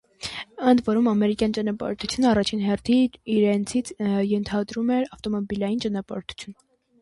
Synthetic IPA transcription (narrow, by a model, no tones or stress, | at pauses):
ənd̪vɔɾumɑmɛɾikjɑnt͡ʃɑnɑpɑ̰ɾt̪ʰu̥t͡sʰjunəɑrɑt͡ʃʰinɦɛrt̪ʰiiɾɛnt͡sʰit͡sʰjɛnt̪ʰɑd̪ɾumɛɾɑft̪ɔmɔbilɑjint͡ʃɑnɑpɑ̰ɾt̪ʰu̥t͡sʰjun